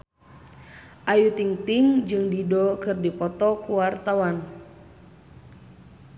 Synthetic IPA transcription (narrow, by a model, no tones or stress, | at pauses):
ʔajut̪iŋt̪iŋd͡ʒɨŋdidɔkɨrdipɔt̪ɔkuwart̪awan